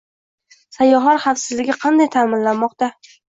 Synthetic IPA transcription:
sajɒɦɒɾχɑfsɪzlɪɡʲɪqʰɑnd̪ajt̪ʰamɪnlanmːɒqt̪a

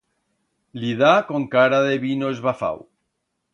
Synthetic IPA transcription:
liðakoŋkaɾaðeβinoezβafa̰w

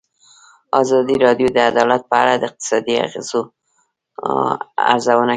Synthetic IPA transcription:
ɑzɑd̪iɾɑdjod̪əad̪ɑlat̪̚pəa̰ɽad̪əɪq̚t̪ɪ̥sɑd̪ia̰ɣḛz̥o | a̰ɾzawəna

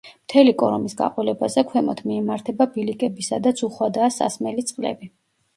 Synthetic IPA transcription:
mt̪ʰɛlikʼɔɾɔmisɡa̰qʼɔlɛbazɛkʰwɛmɔt̪ʰmiɛmaɾt̪ʰɛbabilikʼɛbisad̪at̪sʰuχwad̪aːsa̰smɛlit̪sʼqʼlɛ̰bi

